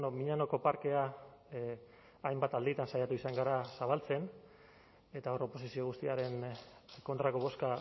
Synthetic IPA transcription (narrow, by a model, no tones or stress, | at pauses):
nomiɲano̞ko̞paɾke̞a | ajmbat̪ald̪it̪ansajat̪uisaŋɡaɾasaβ̞alt͡se̞n | e̞t̪ao̞ɾo̞po̞sisio̞ɣ̞ust̪iaɾe̞nko̞nt̪ɾako̞β̞o̞ska